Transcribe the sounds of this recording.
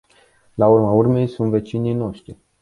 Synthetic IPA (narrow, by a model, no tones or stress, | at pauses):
laurmaurme̞jsunt̪ve̞t͡ʃinijno̞ʃt̪ɾi